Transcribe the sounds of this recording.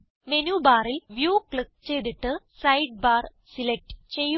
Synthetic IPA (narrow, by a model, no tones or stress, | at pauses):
me̞nuːbaːrilʋjuːkɭik̚t͡ɕe̞jðiʈːɨ | sɐjɖ̚baːr | silek̚ʈɨt͡ɕej